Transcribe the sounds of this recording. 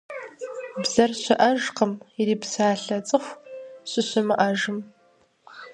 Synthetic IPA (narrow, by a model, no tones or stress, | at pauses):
bzɐrɕʷɐʔɐʒqəmiɾiːbsaːɬɐt͡sʼɨxʷɕʷɪɕʷʊmɨʔaʒɨm